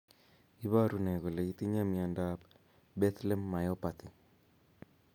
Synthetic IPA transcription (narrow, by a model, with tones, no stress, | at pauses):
i˦βa˦ɾu˨nɛ˨ɣo˨le˨i˦t̪i˦ɲa˦mia˨ndap | be˦t̪le˦mːa˨jo˦pa˨t̪i˨